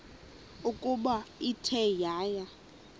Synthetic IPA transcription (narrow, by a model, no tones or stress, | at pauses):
ukʼuɓaitʰɛjaːja